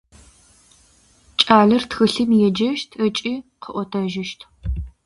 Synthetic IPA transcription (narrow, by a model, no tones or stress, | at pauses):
t͡ʃʼaːɮɐrtxɨɬɨmjɛd͡ʒɐʃtʰət͡ʃʼiːqʰəʔʷɔtʰɐʒɪʃtʰ